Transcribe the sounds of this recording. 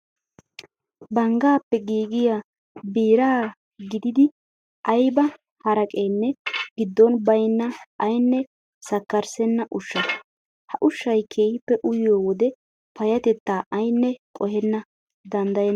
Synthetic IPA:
bɐŋɡaːpːɛɡiːɡɪja | biːɾaː | ɡɪd̪ɪd̪ɪ | ʔɐjbɐ | hɐɾɐkʼeːnːɛɡ̥ɪd̪ːɔnbɐjnːɐʔɐjnːɛ | sɐkːɐɾsɛnːɐʔʊʃːɐ | hɐʔʊʃːɐjkʰe̞ːhɪpːɛʔʊjɪjoːwɔd̪ɛ | pɐjɐt̪ɛt̪ːaːʔɐjnːɛkʼɔɦɛnːɐ | d̪ɐnd̪ɐjɛn

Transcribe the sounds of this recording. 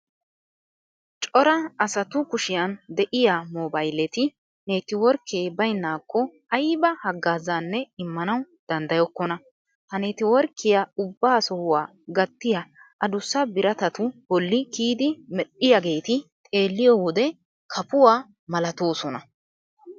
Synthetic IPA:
t͡ʃʼɔɾɐɐsɐt̪ʊkʊʃɪjɐnd̪ɛʔɪjaːmɔbɐjlɛt̪ɪ | ne̞ːt̪ɪwɔɾkːeːbɐjnːaːkːɔ | ɐjbɐhɐɡːaːzaːnːɛɪmːɐnɐw | d̪̥ɐnd̪ɐjɔkːɔnɐ | hɐneːt̪ɪwɔɾkʰːɪjaʊbːaːsɔhʊwaː | ɡɐt̪ːɪjaʔɐd̪ʊsːɐbɪɾɐt̪ɐt̪ʊbɔlːɪkiːd̪ɪmɛɗɪjaɡe̞ːt̪ɪt̪ʼe̞ːlːɪjɔwɔd̪ɛ | kʰɐpʊwaː | mɐlɐt̪o̞ːsɔnɐ

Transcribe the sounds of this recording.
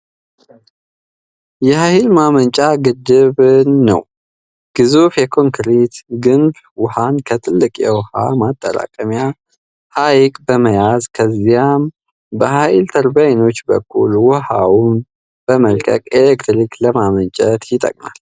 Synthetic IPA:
jɛhahilmamənt͡ʃʼaɡɨd̪ːɨβnːə̰w | ɡ̥ɨzufjɛkʰo̞ŋkʰɾit̪ɡɨnb | wɔhankʰət̪ʼɨlːɨkʼjɛ̰wha̰mat̪ʼːəɾa̰kʼəmja | hajikʼbəməjazkʰəzijam | bəhajɪlt̪ʰəɾbajno̞t͡ʃːbəkːṵlwɔhawun | b̥əməlkʼə̰kʼelekt̪ɾikləmamənt͡ʃʼɛt̪jɪt̪ʼːə̰kʼna̰l

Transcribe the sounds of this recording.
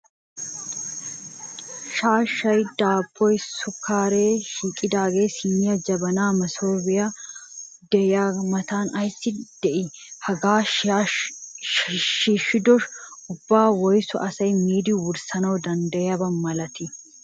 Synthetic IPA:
ʃaːʃɐjd̪aːbɔjsʊkʰːaːɾeːʃiːkʼːɪd̪aːɡeːsinːɪɐd͡ʒɐbɐnaːmɐsoːbɪja | d̪ɛjamɐt̪aːnɐjsɪd̪̥ɛʔɪhɐɡaː | ʃiʃɪd̪ɔʃʊbːaːwɔjsɔʔɐsɐjmiːd̪iwʊɾsɐnɐɔd̪ɐnd̪ɐɐbɐmmːɐlɐt̪ɪ

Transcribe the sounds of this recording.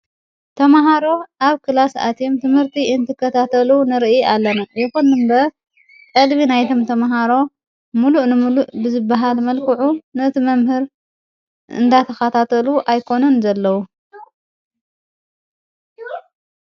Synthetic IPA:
t̪ʰɐmaɦaɾo̞ʔaβkʰɨlasa̰t̪jomt̪ʰɨmhɨɾt̪ʰiɨnt̪ʰɨkːɐt̪ʰat̪ʰɐlunɨɾʔjalːɐnɐjɪxunːɨmbɐ | kʼɨlβinajt̪ʰo̞mt̪ʰɐmaɦaɾo̞ | muluʔnɨmuluʔbɨzɨbːaɦalmɐlkʰɨʕunɨɨt̪imɐmhɨɾ | ɨ̰nd̪at̪ʰɐxɐt̪ʰat̪ʰɐluʔajkʰo̞nɐnzɐlːɐwu

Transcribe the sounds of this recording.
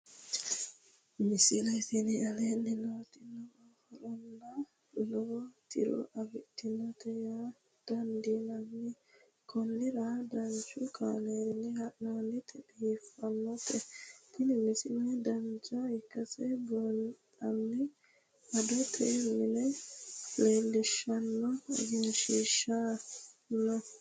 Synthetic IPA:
mɪsɪlɐt̪ɪnɪɐleːnːɪnoːt̪ɪnːɔɔhɔɾɔnːɐ | lɔɔt̪ɪ̰ɾɔ̰ʔɐɡɪt̪ːɪnːɔt̪ɛja | d̪̥ɐnd̪inɐnːɪ | kʰɔnːɪɾad̪ɐnt͡ʃːʊkʰa̰ːleːɾɪnːɛhɐʔnanːɪt̪ʰɛbifːɐnːɔt̪ɛt̪ɪnɪmɪsɪnɛd̪ɐnd͡ʒɐɪkːɐsɛbɔnt̪ʼɐnːɛ | ʔɐd̪ɔt̪ʰɛmɪnɛ | leːlːɪʃːɐnːɔɡɪnʃiʃːa | nːɔ

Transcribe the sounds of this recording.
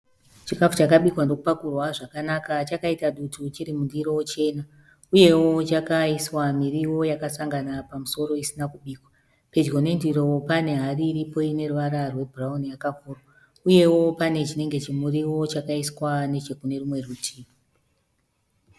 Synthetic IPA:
t͡ʃikafut͡ʃakaɓikwandokupakurwaʐakanakat͡ʃakaitaɗutʰut͡ʃiɾimundiɾo̞wt͡ʃe̞na | uje̞wo̞t͡ʃakaiswamiriwo̞jakasaŋɡanapamuso̞ɾo̞isinakuɓiːkwa | pe̞d͡ʒɡo̞ne̞ndiɾowpane̞ɦariːɾipo̞ine̞ruʋaɾarwe̞bʱuraunijakakuro | uje̞wo̞pane̞t͡ʃine̞ŋɡe̞t͡ʃimuriwo̞t͡ʃakaiswane̞t͡ʃekune̞rumwe̞rutʰiːo

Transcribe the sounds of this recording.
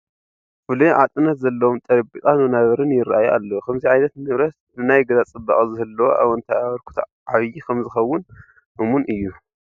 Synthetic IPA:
fɨluʕat̪ʼɨnɐt̪zɐlːɐwomt̪ʼɐɾbik̪ʼanunaβɐɾɨnjɪɾʔajuʔa̰lːɐwokʰɐmziʕajnɐt̪nɨβɾɐt̪nɨnajɡɐzat͡sʼɨbːɐkʼzɨɦɨlːɐwo̰ʔa̰βɐnt̪ʰaaβɐɾkʰu̥t̪ʰ | ʕaβɨjikʰɐmzɨxɐwːʊn | ʔɨmunʔɨjːu

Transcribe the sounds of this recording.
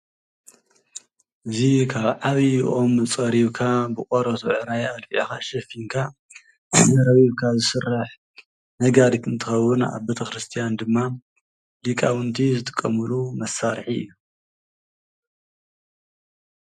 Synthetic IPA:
ʔɨzikʰaβʕaβijʔo̞mɨt͡sʼɐɾiβkʰabɨkʼoɾɐt̪ʰuʕɨɾajalfiʕikaʃɐfiŋkʰa | ɾɐβiβkʰazɨsɨrːaħ | nɐɡad̪ɨkɨnt̪ʰɨxɐwːɨnʔa̰βbet̪ʰɐxɾɨst̪ʰijand̪ɨmːa | likʼawɨnt̪ʰizɨt̪ʰʼɨ̥kʼːɐmɨlumɐsːaɾħiɨ̰jːu

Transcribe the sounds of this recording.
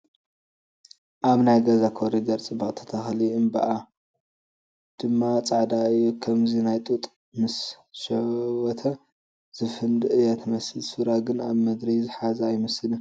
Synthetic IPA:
ʔaβnajɡɐzakʰoɾiɡɐɾt͡sʼɨbɐχʼt̪ʰɐ̥t̪ʰɐxliɨmbɐ̰ʔa | d̪̥ɨmːat͡sʼaʕd̪aɨjːukʰɐmzinajt̪ʼut̪ʼ | mɨs | ʃɐwɔt̪ʰɐ | z̥ɨfɨnd̪ɨʔɨjat̪ʰɐmɐsɨlsɨɾaɡɨnaβmɐd̪ɾizɨħazɐjmɐsɨlɐ

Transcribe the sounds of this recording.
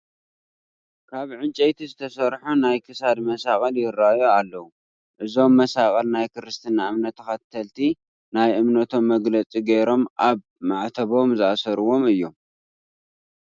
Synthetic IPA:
kʰaβʕɨnt͡ʃʼejt̪ʰizɨt̪ʰɐsɐɾħunajkʰɨsad̪mɐsakʼɐljɪɾajoalːɐwu | ʔɨzo̞mːɐsakʼɐlnajkʰɨɾɨst̪ʰɨnaɨmnɐt̪ʰːɐxɐt̪ʰːɐlt̪ʰi | najʔɨmnɐt̪ʰo̞mːɐɡlɐt͡sʼiɡejɾo̞mʔaβ | maʕt̪ʰɐβo̞mzɨasɐɾɨwo̞mɨjːo̞m

